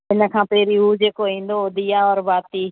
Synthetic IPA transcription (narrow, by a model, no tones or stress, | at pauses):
ɪnəkʰãːpeːɾiːɦuːd͡ʒeːkoɦĩːn̆d̪oʊd̪ʱijaːɔːɾbaːt̪iː